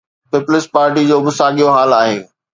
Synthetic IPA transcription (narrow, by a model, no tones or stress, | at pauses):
pɪpʊlɪsʈ̚paːɾʈid͡ʑoːbɪsaːɠijoɦaːlaːɦeː